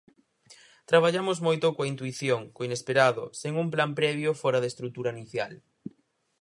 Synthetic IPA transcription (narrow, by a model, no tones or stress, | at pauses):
t̪ɾaβ̞aʎamozmojt̪ʊkoaint̪uiθjoŋkoinespeɾaðʊseŋumplampɾɛβ̞jofɔɾɐðest̪ɾut̪uɾainiθjal